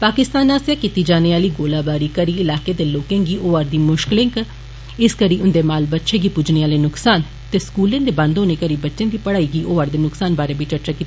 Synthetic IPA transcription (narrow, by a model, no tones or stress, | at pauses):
paːkɪst̪aːnaːsjaːkit̪iːd͡ʒaːneːaːliːɡoːlaːbaːɾiːkəɾiːɪlaːkeːd̪eːloːkẽːŋɡiːʔoːaːɾd̪iːmʊʃklɪ̃ŋk | ɪskəɾiːʊnd̪eːmaːlbətːʃeːɡiːpʊd͡ʒneːaːleːnʊksaːn | t̪eːskuːlẽːnd̪eːbə̃nd̪õːneːkəɾiːbətːʃẽːd̪iːpəɽaːiːɡiːʔoːaːɾd̪eːnʊksaːnbaːɾeːbiːt͡ʃəɾt͡ʃaːkiːt̪ːaː